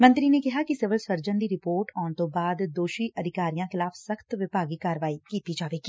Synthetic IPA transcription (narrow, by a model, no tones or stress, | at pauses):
mɐ̃nt̪ɾinekɪɦakisɪʋəlsəɾd͡ʒənd̪iɾɪpoːɾʈɔːnt̪obaːd̪d̪oːʃiʔɐd̪ʱɪkaːɾijãxɪlaːfsəxt̪ʋɪpaːɡikaːɾəʋaːikiːt̪id͡ʒaːʋeːki